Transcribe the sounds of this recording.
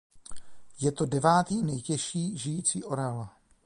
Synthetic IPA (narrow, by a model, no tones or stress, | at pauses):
jɛt̪o̞dɛvaːt̪iːnɛjcɛʃiːʒɪjiːt͡siːʔoɾala